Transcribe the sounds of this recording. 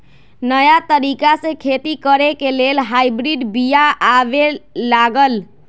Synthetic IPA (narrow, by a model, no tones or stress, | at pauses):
nəjat̪əɾikasẽkʰet̪ikəɾekelelɦajbɾiɖbijaʔabelaɡəl